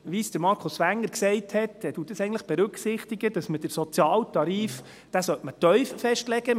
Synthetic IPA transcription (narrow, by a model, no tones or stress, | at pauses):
ʋisd̥əɾmɑɾkʰʊsʋæŋːəɾksɛɪthɛtɛd̥uːt̚d̥əsɛɪən̩tləχb̥ɛɾʉksɪχtiɡəd̥ɑsməd̥əɾsɔt͡sjɑːltɑɾiːf | d̥æsœtmətœʏffɛʃtlɛɡ̥ə